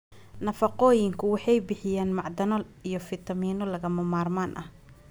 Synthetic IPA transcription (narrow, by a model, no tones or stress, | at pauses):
nɐfɑqɔːjɪŋkʰʊwɑħɑjbɪħɪjaːnmɑʕd̪ɐnɔijɞfɪt̪ʰɐmiːnɔlɐɣɐmɐmaːrmaːnʔɐ̰h